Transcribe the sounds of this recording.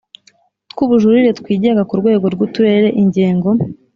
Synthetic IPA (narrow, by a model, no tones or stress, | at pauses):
tkuβuʒuɾiɾe̞tkwiːɟe̞ŋɡakuɾɡwe̞ːɡo̞ɾɡutuɾe̞ːɾe̞ʔiɲɟiːŋɡo̞